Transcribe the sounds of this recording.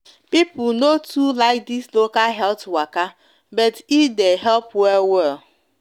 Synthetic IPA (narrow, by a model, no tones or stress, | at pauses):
pipʊnotʰulaɪk̚dislokalɦɛltwaka | bʌtideɦɛlpwɛwɛl